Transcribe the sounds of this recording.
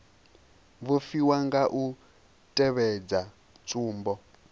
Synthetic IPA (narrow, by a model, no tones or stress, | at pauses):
βufiwaŋɡaʔu | tʼɛβɛd͡za | t͡sʼuːmbɔ